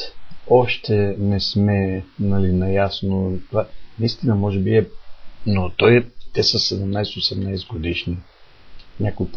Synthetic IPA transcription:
ɔʃt̪ɛnɛsmɛnɐlinɐjasnot̪anɐist̪inəmɔʒɛbiɛnot̪ɔjt̪ɛsəsɛd̪ɛmnajsɛt̪osɛmnajsɛɡod̪iʃni | nʲakojp

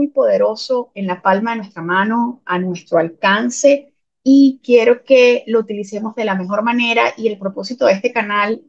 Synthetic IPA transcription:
ujpo̞ðe̞ɾo̞so̞e̞nlapalmaðe̞nwe̞st̪ɾamãno̞anwe̞st̪ɾoalkanse̞ | ikje̞ɾo̞ke̞lo̞ut̪ilise̞mo̞zðe̞lame̞xo̞ɾmane̞ɾa̰ʔie̞lpɾopo̞sit̪o̞ðe̞st̪e̞kanal

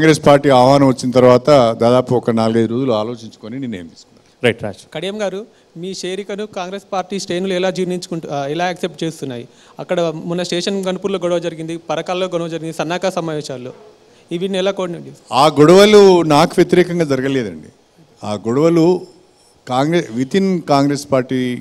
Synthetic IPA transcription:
kaːŋɡɾespaːɾʈiːaːʋɐɦaːnɐmʋɐt͡ʃːinɐt̪̬ɐɾʋaːt̪ɐd̪aːd̪aːpuɔkɐnaːluɡɐjd̪uɾoːzuluaːlo̞ːt͡ʃiɲt͡ʃu̥koːniniːnːeːmt̪iːsk̪unaːɾɐjʈɾaːʃkɐɽijɐmɡaːɾu | miːʃeːɾikɐnukaːŋɡɾespaːɾʈiːsʈejnulɛlaːd͡ʒiːʋniɲt͡ʃukuɛlaːɐkse̞p̚ʈ̚t͡ʃe̞ːst̪unːaːjḭ | ɐkːɐɽɐmunːɐsʈeːʂɐnɡɐnːupuːɾlo̞ːɡɔɽɐʋɐd͡ʒɐɾiɡind̪ipɐɾɐkaːlloːɡɔɽɐʋɐd͡ʒɐɾiɡind̪isɐnːaːkaːsɐmaːʋeːʃaːlːo̰ː | iʋinːɛlaːkoːɽnɐɳɖiaːɡɔɽɐʋɐlunaːkuʋjet̪iɾɛːkɐŋɡaːd͡ʒɐɾɐɡɐleːd̪ɐ̰ɳɖi | aːɡɔɽɐʋɐlu | kaːŋɡɾeʋit̪inkaːŋɡɾeːspaːɾʈiː

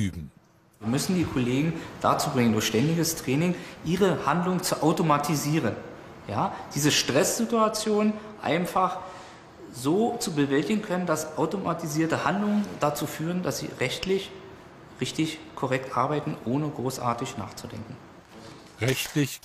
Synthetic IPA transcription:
yːbm̩ | iɐmʏsn̩diːkʰoleːɡŋ̩d̥a̰ːt͡suːbʁɪŋəndʊɐçʃtɛndɪɡəstʁ̥ɛːnɪŋʔiːʁəhandlʊŋt͡suʔaʊtomatʰiziːʁ̞ən | jaːd̥iːzəʃtʁ̥ɛsz̥ɪtuat͡sjoːnʔa̰ɪnfaχ | zoːt͡subəvɛltɪɡŋ̩kʰœnəndasʔaʊtomatiziːɐtəhandlʊŋəndat͡suːfyːʁəndasz̥ḭːʁɛçtlɪç | ʁɪçtɪçkʰoʁɛktʔaɐbaɪtn̩ʔoːnəɡʁoːsʔa̰ːɐtɪçna̰ːχt͡sudɛ̰ŋkŋ̩ | ʁɛçtlɪç

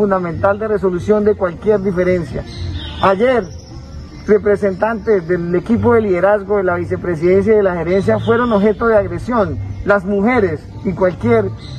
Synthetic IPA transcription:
und̪amẽnt̪ald̪e̞re̞s̬o̞lusjo̞nd̪e̞kwalkjeɾd̪ife̞ɾe̞nsja̰aʝeɾ | re̞pɾese̞nt̪ant̪ezd̪eekip̬oðe̞liðe̞ɾazɡoðelaβise̞pɾe̞s̬iðe̞ns̬jaðelaxeɾe̞ns̬jafwe̞ɾo̞noβxe̞t̪oðeaɣɾesjo̞nlazmuxe̞ɾe̞s | ikwalkjeɾ

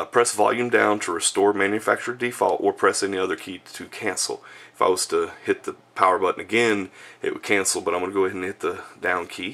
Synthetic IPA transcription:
pʰɹ̥ɛsvɑ̰lˠjʉ̃mdãʊ̃ntʰəɹɨstɔɹmæ̃njɨfæk̚t͡ʃə˞difɔ̰lˠtə˞pʰɹ̥ɛsɛniʌðə˞kʰiɾʰɨkʰæ̃nsl̩ˠɪfa̰ɪwʌz̥tʰəhɪt̪̚ðɨpʰaʊə˞bʌʔn̩ɨɡɛ̃nɪ̰ʔ̚wə̰d̚kʰæ̃nsl̩ˠbʌɾãɪ̃mʌnəɡoʊhɪɾn̩hɪt̪̚ðədãʊ̃nkʰi

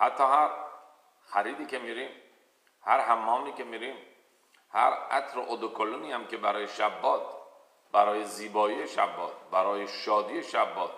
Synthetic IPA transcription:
hæt̪ʰːɒːhæɾ | xæɾiːd̪iːkʰemiɾiːm | hæɾhæmːɒːmiːkʰemiːɾiːm | hæ̰ɾæ̰t̪ʰɾoʔod̪okʰolːuniːhæmkʰebæɾɒːjeʃæbːɒːt̪̚ | bæɾɒːjeziːbɒːijeʃæ̰bːɒːt̪̚bæɾɒːjeʃɒːd̪ijeʃæbːɒːt̪̚

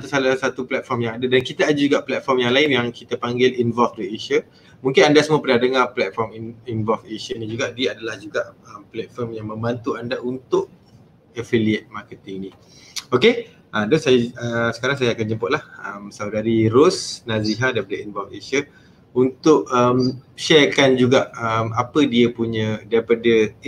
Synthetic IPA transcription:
at̪usalasat̪uplɛt̪̚fɔrmjaŋadadankit̪aːd͡ʒad͡ʒuɡaʔplɛt̪̚fɔrmjaŋlaɪnjaŋkit̪apaŋɡɪlinvɔlfdueʃə | mũŋkɪnandasəmuəpərnadəŋaplɛt̪̚fɔrmiinvɔlfeʃənĩd͡ʒuɡaʔdiadalahd͡ʒuɡaʔəmplɛt̪̚fɔrmjaŋmə̃mbant̪uandaʔunt̪ʊʔ̚ | əfiliət̪̚makət̪ɪŋni | oke | ʔədɔnsajaəsə̥kaɾaŋsajaakand͡ʒəmpʊʔ̪̚lahəmsawdaɾiɾosnaziɦadaipadəinvɔlfeʃə | unt̪ʊʔəmʃɛrkand͡ʒuɡaʔəmapədiəpuɲə̃daɾipadə

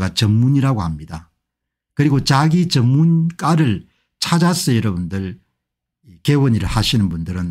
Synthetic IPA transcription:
ɡat͡ɕʌmmuɲiɾaɡohamɲida | kɯɾiɡot͡ɕaɡit͡ɕʌmmːunk͈aɾɯɭ | t͡ɕʰad͡ʑas͈ɯjʌɾʌbundɯɭ | ikewʌɲiɾɯɭhaɕʰinɯnbundɯɾɯn

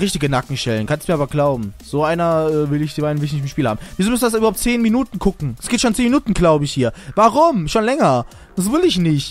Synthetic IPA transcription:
ʁɪçtɪɡənakŋ̩ʃɛlənkʰanstm̥iːɐaːbɐɡlaʊbm̩z̥oːʔaɪnɐʔɛːvɪlɪçd̥iaɪnvɪlɪçnɪçtɪmʃpiːlha̰ːbm̩viːzoːmʏsn̩dasʔyːɐaʊp̚t͡seːnminuːtn̩ɡʰʊkŋ̩ɛsɡ̥ɪːtʃoːnt͡seːnminuːtn̩ɡlaʊbəɪçhiːɐvaʁʊmʃoːnlɛŋɐ̥ | s̬vɪlɪçnɪçt

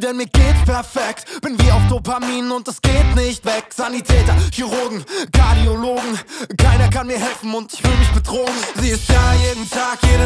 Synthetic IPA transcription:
d̥ɛnmiːɐɡeːtpʰɛɐfɛk̚tb̥ɛnviːɐaʊfd̥opʰamiːnənʊnt̚d̥asɡ̥eːtnɪçtv̥ɛkz̥anitʰɛːtɐçyʁʊɐɡŋ̩kʰaɐdioloːɡŋ̩kʰaɪnɐkʰanmiːɐɦɛlfn̩ʊntɪçv̥ɪləmɪçb̥ədʁ̥oːŋ̩ziːɪstj̥ajeːdn̩tʰaːkjeːɾə

